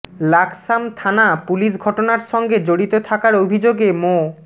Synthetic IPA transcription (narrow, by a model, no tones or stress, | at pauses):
laksamt̪ʰanapuliʃ̬ɡʱɔʈonaɾʃɔŋɡed͡ʑoɽit̪ot̪ʰakaɾobʱid͡ʑoɡemo